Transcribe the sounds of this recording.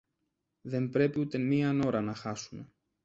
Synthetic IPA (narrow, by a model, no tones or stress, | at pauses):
ðe̞mbɾe̞piut̪e̞miɐno̞ɾɐnɐxɐsume̞